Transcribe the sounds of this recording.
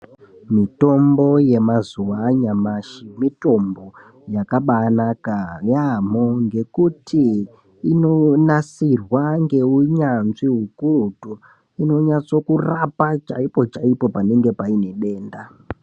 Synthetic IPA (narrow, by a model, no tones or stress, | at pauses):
mito̞mbo̞je̞mazuwaɲamaʃimito̞mbo̞ | jakaɓanakajamoŋɡe̞kutʰiː | no̞nasirwaŋɡe̞uɲanziɦukurutu | ino̞ɲat͡so̞kurapat͡ʃa̰ipo̞t͡ʃaipo̞pane̞ŋɡe̞paine̞ɗe̞ːnda